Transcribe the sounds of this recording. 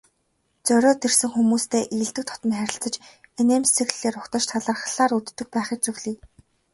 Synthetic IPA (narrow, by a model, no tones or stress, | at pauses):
t͡sœɾʲɔːt̪ersɘ̆ŋxumuːst̪ʰeːʔĭːɮt̪ɘ̆k̚t̪ʰɔ̥t̪ɞ̆mχæɾʲɪ̆ɬt͡sə̆t͡ɕenemst͡sʰeɣɮeːɾʊkt̪ɞ̆t͡ɕt̪ʰaɮaːrχɮaːrut̪ːɵ̆k̚pæːχĭːt͡ɕ̚t͡sɵɣɮiː